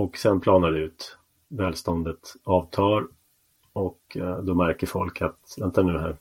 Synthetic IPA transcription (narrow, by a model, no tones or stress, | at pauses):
ɔksɛnpʰlɑːnaɖɛʉ̟ːt̪ | vɛːlst̪ɔnd̪ət̪ɑːvt̪ʰɑːɾ | ɔkd̪ɔmæɾkəɾfɔlkʰat̪vɛnt̪ʰanʉ̟ːɦæ̰ːɾ